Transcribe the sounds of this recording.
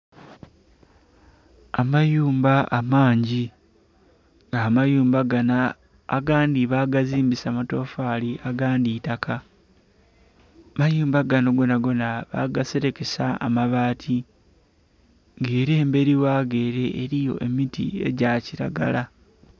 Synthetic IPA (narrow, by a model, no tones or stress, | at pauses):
amajuːmbaʔamaːɲɟi | ŋɡaːmajuːmbaɡanaː | ɡaːndiβaɡaziːmbisamato̞ːfaːliʔaɡaːndiːtakʰa | majuːmbaɡano̞ɡo̞naɡo̞naβa̰ɡase̞ɾe̞ke̞saa̰maβaːtʰi | ŋɡeːɾe̞ːmbe̞ɾiwaːɡe̞ːɾe̞ʔeɾijo̞̰ʔe̞mitḭe̞̰ɟaciɾa̰ɡa̰la